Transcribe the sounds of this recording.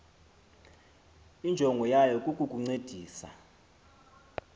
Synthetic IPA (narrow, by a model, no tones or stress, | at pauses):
ind͡ʒʱɔŋɡʱɔjajɔkʼukʼukʼuŋ͡ǀed̥ʱiːsa̰